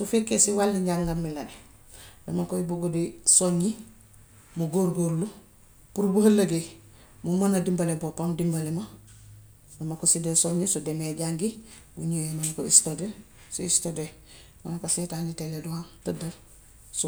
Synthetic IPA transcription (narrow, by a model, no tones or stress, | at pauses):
sufekːesiwalːiɲɟaŋɡamːilɐni | dɐmakoibuɡodisoɲi | muɡoːɾɡoːɾlu | puɾbuhɐlːɐɡe | mumɐnadimbalebopamdimbalemɐ | dɐmakosidesoɲisudemeɟaŋɡi | buɲoːmɐmakoistode | suistode | wanakasetaːɲiteleduhaːntɐdɐɾ | su